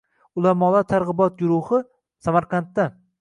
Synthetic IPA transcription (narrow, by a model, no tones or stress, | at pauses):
ʊlˠamɒlˠat̪ʰaɾʁɨbɒt̪̚ɡʊɾʊhɨ | samaɾqʰant̪ːa